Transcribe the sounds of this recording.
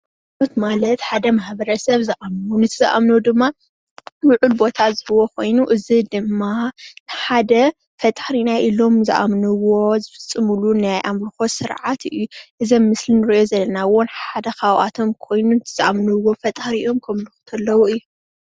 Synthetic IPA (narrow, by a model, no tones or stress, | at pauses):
ʔot̪malɐt̪ħad̪ɐmaħbɐɾɐsɐβzɨʔamnnɨt̪ʰɨzɨ̰ʔa̰mnowd̪ɨmːa | wʊʕulbo̞t̪ʰazɨbɨwokʰo̞jnuʔɨzid̪ɨmːanħad̪ɐ | fɐt̪ʼhɾinaʔilo̞mzɨ̰ʔa̰mnɨwo̞zɨfɨ̥t͡sʼːɨmulunajʔamɾɨxosɨɾʕat̪ɨjuʔɨzɐmːɨslinɨɾiʔo̞zɐlːɐnawonħad̪ɐxawʔa̰t̪ʰo̞mkʰo̞jnunɨt̪ʰɨz̥ɨʔamnɨwːo̞fɐt̪ʼhɾiʔo̞mkʰɐmlɨxɨ̥t̪ʰɐlːɐwuɨjːu